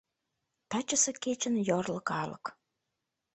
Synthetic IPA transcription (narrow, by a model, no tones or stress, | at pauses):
t̪ɑt͡ɕəsĕket͡ɕənjorləkɑlə̰k